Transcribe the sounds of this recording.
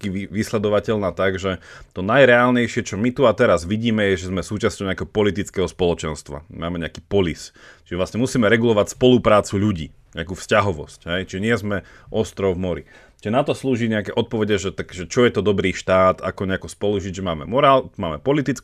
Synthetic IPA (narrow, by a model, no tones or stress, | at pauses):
kiiʋislɛd̪ɔʋacɛʎnaːt̪aɡʒɛt̪ɔnajɾɛaːlɲɛjʃɪɛt͡ʃɔmit̪uat̪ɛɾazʋiɟiːmɛjɛʒɛzmɛsuːt͡ʃastcɔʊɲɛakɛɦɔpɔlit̪it͡skɛːɦɔspɔlɔt͡ʃɛnst̪ʋa̰maːmɛɲɛakiːpɔlist͡ʃiʒɛʋlasɲɛmusiːmɛɾɛɡulɔʋacspɔlupɾaːt͡suʎuɟḭː | ɲɛakuːfscaɦɔʋɔ̰scɦɛjt͡ʃiʒɛɲɪɛzmɛ | ʔɔst̪ɾɔʊvmɔɾi | t͡ʃiʒɛnat̪ɔsluːʒiɲɛakɛʔɔt̪̚pɔʋɛɟɛʒɛt̪akʒɛt͡ʃɔjɛt̪ɔd̪ɔbɾiːʃt̪aːt̪a̰kɔɲɛakɔspɔluʒiɟʒɛmaːmɛ̰mɔɾaːlmaːmɛpɔlit̪it͡s